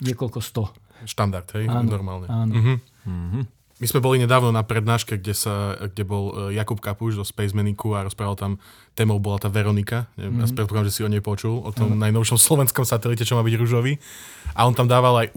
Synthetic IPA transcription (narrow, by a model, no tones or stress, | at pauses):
ɲɪɛkɔlkɔst̪ɔ | ʃt̪and̪aɾt̪ɦɛjanɔɾmaːlˠɲɛaːnɦ̩ | mizmɛbɔliɲɛd̪aːʊnɔnapɾɛd̪naːʃkɛɡɟɛsaɡɟɛbɔljakupkapuʒzɔspɛjzmɛnikuaɾɔspɾaːʋalˠt̪am | t̪ɛːmɔʊbɔlat̪aːʋɛɾɔnikaɲɛ̰jaspɾɛt̪̚pɔkaamʒɛsiɔɲɛjpɔt͡ʃulˠɔt̪ɔmnajnɔʊʃɔmslɔʋɛnskɔmsat̪ɛlicɛt͡ʃɔmaːbiɟɾuʒɔʋi | ʔaɔnt̪amd̪aːʋalaj